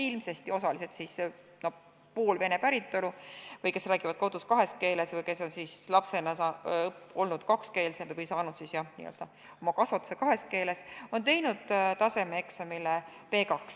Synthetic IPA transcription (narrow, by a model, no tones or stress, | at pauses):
ilmse̞st̪io̞sɑlise̞t̪sis | no | puːlve̞ne̞pæɾit̪ːo̞luvɤjke̞sræːɡ̥ivɑd̪̥ko̞d̪̥uskɑɦe̞ske̞ːle̞svɤjke̞so̞nsiːslɑpse̞nɑsɑo̞lnud̪̥kɑkske̞ːlsend̪vɤjsɑːnud̪sisjɑnḭːø̰ld̪̥ɑ | o̞mɑkɑsvɑt̪ːˑu̥se̞kɑɦe̞ske̞ːle̞so̞nt̪e̞jnud̪̥t̪ɑse̞meeksɑmilepe̞ːkɑks